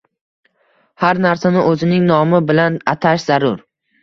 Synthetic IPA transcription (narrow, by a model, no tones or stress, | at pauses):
haɾnaɾsanɪʔɵzɪnɪŋnɒmɪbɪlanat̪ʰaʃz̥aɾʊɾ